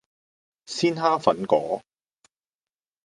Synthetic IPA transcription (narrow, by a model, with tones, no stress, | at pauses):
siː˥nhaː˥fɐ̰˨˥nkɔː˨˥